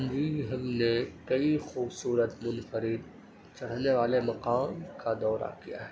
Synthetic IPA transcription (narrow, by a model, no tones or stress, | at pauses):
nd͡ʒiɦɐ̃ɡnekɐixuːbsuːɾət̪mʊnfəɾɪd̪ | t͡ʃɐɽ̤neʋaːlemɐqaːmkad̪ɔːɾa̰kija̰ɦɛː